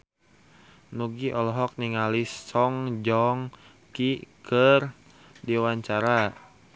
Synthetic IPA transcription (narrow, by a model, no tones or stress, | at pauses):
nuɡiʔɔlɔɦɔk̚niŋalisːɔŋd͡ʒɔŋ | kikər | diwaɲt͡ʃaɾa